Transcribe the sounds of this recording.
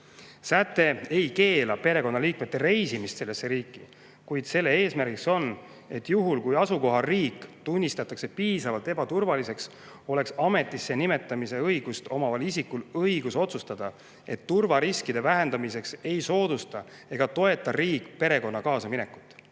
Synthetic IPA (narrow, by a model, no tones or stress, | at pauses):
sæt̪ːˑe̞e̞jke̞ːlɑpe̞ɾe̞ko̞nːɑliːk̚me̞t̪ːe̞ɾe̞jsimist̪se̞lːesːe̞ɾiːkːi | kujd̪̥se̞lːe̞e̞ːsmæɾɡikso̞n | e̞t̪ːjuɦulkujɑsuko̞ɦɑriːkt̪unʲːist̪ɑt̪ːˑɑkse̞piːsɑvɑlt̪e̞bɑt̪urvɑlise̞ks | o̞le̞ksɑme̞t̪ːˑisːe̞nime̞t̪ːˑɑmise̞ɤjɡ̥ust̪o̞mɑvɑlisikːulɤiɡuso̞t̪sust̪ɑd̪̥ɑ | e̞t̪ːurvɑɾiskid̪e̞væɦe̞nd̪ɑmise̞kse̞jso̞ːd̪ust̪ɑ | e̞ɡ̥ɑt̪o̞e̞t̪ːˑɑriːkˑːpe̞ɾe̞ko̞nːɑkɑːsɑmine̞kːˑu̥t̪ːˑ